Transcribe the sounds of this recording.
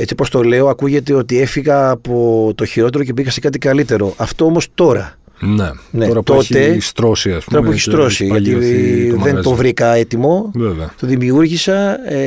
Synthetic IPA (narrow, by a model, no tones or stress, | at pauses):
e̞t͡sipo̞st̪o̞le̞oɐkuʝe̞t̪̬e̞o̞t̪ie̞fiɣɐːpo̞t̪o̞çiɾo̞t̪e̞ɾoce̞piɣɐse̞kɐt̪̬ikɐlit̪e̞ɾo̞ʔɐft̪o̞omost̪o̞ɾɐ | nene̞ɾt̪o̞t̪e̞st̪ɾosiɐsoɾɐueçist̪ɾo̞ssiʝɐt̪iðe̞novɾikɐe̞t̪imo̞vevɐt̪o̞ðimiuɾʝisɐ